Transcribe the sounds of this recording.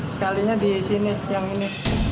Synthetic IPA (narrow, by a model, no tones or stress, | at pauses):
sə̥kaliɲadisinijaŋini